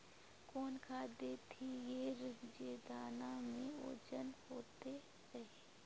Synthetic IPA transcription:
koːnkʰaːd̪et̪ʰijeːɾəd͡ʒeːd̪aːnamẽo̰ːd͡ʒənhoːt̪e | ɾɐɦeː

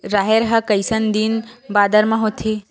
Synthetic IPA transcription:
ɾaːɦeɾɦɐkɐjsənd̪inbaːd̪əɾmãɦot̪ʰeː

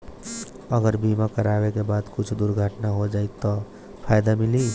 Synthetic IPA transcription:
əɡəɾbimakəɾaːwekebaːd̪kʊt͡ʃʰd̪ʊɾɡʱəʈnaɦod͡ʒaːit̪ɔ | pʰaːjd̪amɪli

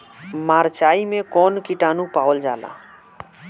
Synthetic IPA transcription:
maːɾt͡ʃaːimẽkɔːnkiʈaːnũpaːwld͡ʒaːla̰ː

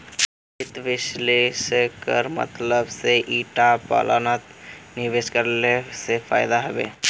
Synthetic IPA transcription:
ɪt̪ʋɪʃleskəɾmə̰t̪ləbseʔiːʈapa̰la̰nat̪nɪʋeskəɾlesefʰa̰ːɪd̪aɦəbḛː

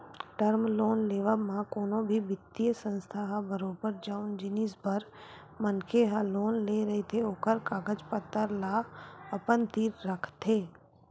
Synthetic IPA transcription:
ʈəɾmloːnleːʋəmãkoːnõbʱibɪt̪ːijəsə̃nst̪ʰaɦabəɾoːbəɾd͡ʒaʊnd͡ʒɪnisbəɾ | mənkʰeɦaloːnleːɾɐɦet̪ʰeoːkəɾkaːɡəd͡ʒpət̪ːəɾlaəpənt̪iːɾːəkʰt̪ʰeː

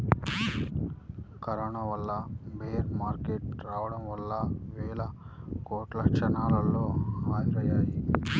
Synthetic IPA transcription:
kɐɾɐɳɐʋɐlːɐbeːɾmaːɾkeʈɾaːʋɐɽɐmʋɐlːɐʋɛːɭɐ | koːʈlɐkʂɐnaːlɐloːaːjɾɐjaːji

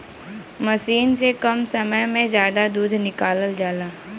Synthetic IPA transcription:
mɐʃiːnsekɐmsɐməjmẽzjaːd̪ad̪uːd̪ʱnɪkaːləld͡ʒaːlaː

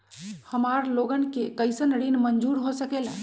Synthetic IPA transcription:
həmaɾloɡənkekəjsənɾinmənd͡ʒuɾɦosəkela

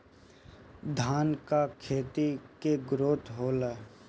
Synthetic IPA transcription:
d̪ʱaːnkakʰeːt̪ikeɡɾoːt̪ɦoːlaː

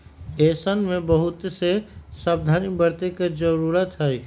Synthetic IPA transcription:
eːsənmẽbəɦʊt̪sesab̚d̪ʱaːnibəɾt̪ekad͡ʒəɾuːɾət̪ɦɛ

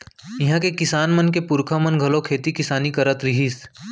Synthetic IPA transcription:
ɪɦãkekɪsaːnmənkepʊɾkʰamənɡʱɐlokʰeːt̪ikɪsaːnikɐɾət̪ɾɪɦiːs

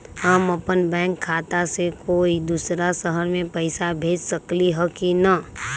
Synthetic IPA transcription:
həməpənbɛ̃ːŋkʰːaːt̪asekoːid̪usɾasəɦəɾmẽpəɪsabʱeːd͡ʒsəkliɦəkinə

